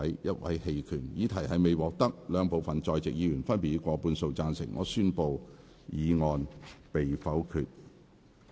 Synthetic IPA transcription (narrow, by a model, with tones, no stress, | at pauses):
ɐ˨˥jjɐ˥t̚wɐ˨˥jhe˧jkʰyː˨˩njiː˨˥t̪ʰɐ˨˩jɦɐ˨jme˨jwɔː˨k̚t̪ɐ˥k̚lœː˨˧ŋpo˨wfɐ˨nt͡sɔː˨˧jt͡sɪ˨k̚jiː˨˧jyː˨˩nfɐ˥npi˨t̚iː˨˧˥kʷɔː˧puː˧nso˧wt͡saː˧nsɪ̰˨˩ŋʔɔ̰ː˨˧syː˥npo˨˧w | jiː˨˧ŋɔː˧npe˨jfɐ˨˥wkʰyː˨t̚